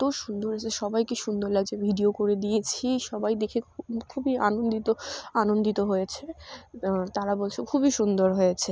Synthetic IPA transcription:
t̪oʃund̪oɾed͡ʑeʃɔbajkeʃund̪oɾlaɡd͡ʑebʱiɖiokoɾed̪ijet͡ɕʰiʃɔbajd̪ekʰekkʰubia̰nond̪it̪oanond̪it̪oɦojet͡ɕʰe | t̪aɾabolt͡ɕʰekʰubiʃund̪oɾɦojet͡ɕʰe

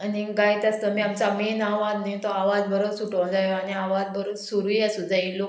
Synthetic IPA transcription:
aniɡajt̪ast̪əmiːamt͡samenaʋad̪najt̪ɔaʋad͡zbəɾəsuʈõd͡zajoaniaʋad͡zbəɾosuɾuɦasud͡zailo

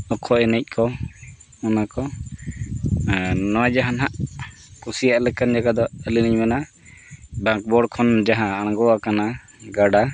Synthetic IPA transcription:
ɔkʰɔɛnɛc̚kʰɔ | ɔnakɔ | nɔwad͡ʒaɦanɦaʔ | kusijaʔlɛkənd͡ʒaɡad̪ɔəliniɲmɛna | bãŋk̚bɔɽkʰɔnd͡ʒaɦãaɽ̃ɡɔakana | ɡaɽa

